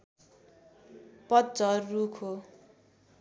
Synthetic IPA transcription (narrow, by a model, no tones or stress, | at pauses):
pʌt̪̚d͡zʌrrukʰo